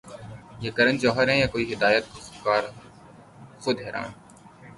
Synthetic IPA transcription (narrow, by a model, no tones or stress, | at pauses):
jeːkɐɾənd͡ʒɔːɦəɾɦɛ̃ːjaːkoːiːɦɪd̪aːjət̪̚koskaːɾ | xʊd̪ɦɛːɾa̰ːn